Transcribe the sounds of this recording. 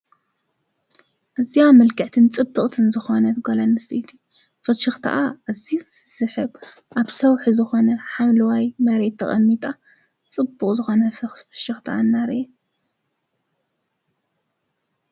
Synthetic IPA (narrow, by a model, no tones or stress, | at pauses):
ʔɨziamɐlkʰɨʕt̪ʰɨnt͡sʼɨbːɨχʼt̪ʰɨnzɨxo̞nɐt̪ɡolanːɨsit̪ʰi | fɐʃɨxt̪ʰa̰ʔaʔɨzissɨħɨβ | ʔaβsɐwħuzɨxo̞nɐħamlɐwajmɐɾe̞t̪ʰːɐχʼɐ̰mːit̪ʼa | t͡sʼɨbːukʼzɨxo̞nɐfʃɨxt̪ʰaʔanːaɾʔe